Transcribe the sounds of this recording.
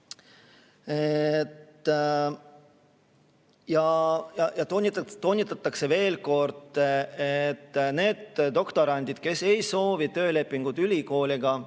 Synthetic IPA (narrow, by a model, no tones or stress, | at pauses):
et̪ː | jɑjɑjɑt̪onʲit̪t̪o̞nʲːit̪ːˑɑt̪ːˑɑkse̞ve̞ːlko̞rd̪̥et̪ːne̞ːd̪̥d̪o̞kt̪o̞ɾɑnʲd̪id̪̥ke̞se̞jso̞ːvit̪ø̞ːle̞pˑːiŋɡ̥ud̪̥ylʲiko̞ːlʲiɡ̥ɑ